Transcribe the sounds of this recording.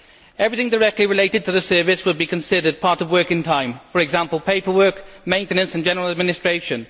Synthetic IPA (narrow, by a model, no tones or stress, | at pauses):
ɛvɹiθɪ̃ŋdə˞ɛk̚tˡliɹɪleɪɾɨd̚tʰɨðəsɜ˞vɪswəl̚ˠbikʰə̃nsɪɾə˞d̚pʰɑɹɾʌvwɜˑ˞kɨ̃ntʰãɪ̃ɱfə˞ɨɡzãmpəlˠpʰeɪpə˞wɜˑ˞kmẽɪ̃ntɨnə̃nsə̃n̩d͡ʒɛnəɹəl̩ˠəd̚mɪnɪstɹ̥eɪʃɨ̃n